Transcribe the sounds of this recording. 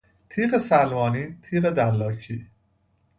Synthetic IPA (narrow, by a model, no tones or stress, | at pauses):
t̪ʰiːɢesælmɒːniːt̪ʰiːɣed̪ælːɒːcʰiː